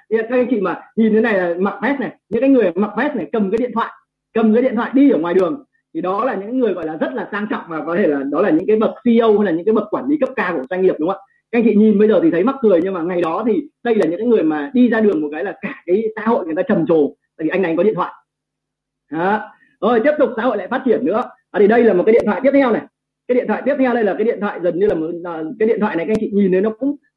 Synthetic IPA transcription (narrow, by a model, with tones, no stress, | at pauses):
kaː˦˥kːaː˨˧˦ŋt͡ɕḭ˧˨maː˨˩ɲi˨˩nt̪ʰna˨˩jlaː˨˩ma˨˩vɛ˦˥t̚na˨˩jɲɨ̰˧˥ŋkaː˨˦jŋɨ˨˩ən˨˩ma˨˩vɛ˦˥t̚na˨˩jkə˨˩mkaː˨˦ɗi˧˨nt̪ʰwa̰ː˧˨ | kə˨˩mː˨˦ɗḭ˧˨nt̪ʰa̰ː˧˨jɗi˧iː˧˩ŋwaː˨˩jɗɨ˨˩əŋ | t̪ʰi˨˩ɗɔ˨˦laː˨˩ɲɨ̰˧˥ŋkːaː˨˦ŋɨ˨˩əjɣɔ̰˧˨jlaː˨˩zə˦˥t̚laː˨˩saː˧ŋt͡ɕɔ̰˧˨wŋ͡mvaː˨˩kɔ˨˦t̪ʰe˧˩laː˨˩ɗɔ˨˦laː˨˩ɲɨ̰˧˥ŋkaː˨˦jɓə˨˩t̚si˧ʔə˧wha˧jlaː˨˩ɲɨ̰˧˥kaː˨˦jɓə˨˩t̚kwaː˧˩nli˨˦kə˦˥p̚kaː˧ku˧˩ə˩zwa˧jŋli˨˩əpɗʊ˨˦ŋ͡ma̰ː˧ | a˧˥˧jŋt͡ɕḭ˧˨ɲi˨˩nɓə˧jzəː˨˩t̪i˨˩ə˨˦jma˦˥t̚kɨ˨˩əjɲɨ˧ŋmaː˨˩ŋa˨˩jɗɔ˨˦t̪ʰi˨˩ɗə˧jlaː˨˩ɲɨ̰˧˥ŋkːaː˨˦ŋɨ˨˩əjmaː˨˩ɗi˧zaː˧ɗɨ˨˩əŋmo˨˩kaː˨˦jlaː˨˩kaː˧˩kaː˨˦jsa̰ː˧˥ho̰˧˨jŋ˨˩ət̪aː˧t͡ɕə˨˩mt͡ɕo˨˩a̰˨j̪ʰi˨˩ʔŋna˨˦ŋɔ˨˦ḭ˧ənt̪wa̰ː˧˨ | ʔaː˨˦ | ʔəː˧˩jt̪i˦˥p̚t̪ʊ˨˩k͡p̚sa̰ː˧˥o˧˨laː˧˨faː˦˥t̚t͡ɕi˧˩ənːɨ̰˧˥ə˧aː˨˩t̪ʰi˨˩ɗə˧jlaː˨˩m̚˨˩ka˨˦i˧˨nt̪ʰwaː˧˨t̪i˦˥t̪ʰːwna˨˩j | kaː˨˦jɗi˧˨nt̪ʰwaː˧˨t̪i˦˥ət̪ʰːa˧wɗə˧ja˨˩kaː˨˦jɗḭ˧˨t̪ʰwa̰ː˧˨jzə˨˩nɲɨ˧laː˨˩mo˨˩t̚ːkːaː˨˦jɗḭ˧˨t̪wa̰˧˨n˨˩jkːjŋt͡ɕḭ˧˨ɲi˨˩nːɗə˨˦nɔ˨˦kʊ̰˧˥ŋ͡m